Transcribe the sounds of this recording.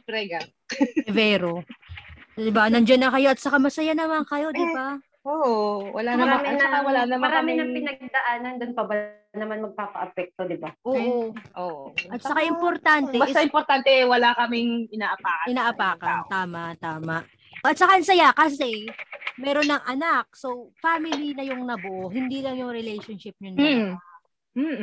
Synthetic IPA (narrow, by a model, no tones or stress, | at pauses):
pɾɛɡɐ | ɛvɛːɾo | d̪ɪbanɐnd͡ʒonːɐkɐjoʔɐt̪sɐkamɐsɐjanɐmaŋkɐjo̞dd̪ɪba | oːʔowɐlaɐmamɪnawɐlanɐmmɐɾːmɪnɐŋpɪnɐɡ̚d̪ɐʔaːnɐnd̪ʊnpɐbɐ | nɐmanmɐɡ̚paːpɐ̰ʔɐpɛk̚t̪od̪ɪbaʔoʔʔoːʔoʔɐt̪sɐkaʔɪmpoɾt̪ant̪ɛbɐt̪aɪmpoɾt̪ant̪ɛɛwɐlakɐmɪŋʔɪnaːʔɐpaːkɐɪnaːʔɐpaːkɐnt̪aːmɐʔt̪aːmɐʔ | ɐt̪̚sɐkaʔnsɐjakɐsɛmɛːɾonːɐŋʔɐnak̚sowfaːmɪlinɐjʊŋnɐbʊʔohɪnd̪iːlɐŋjʊŋɾɛlɛjʃonʃɪp̚ɲʊnɐ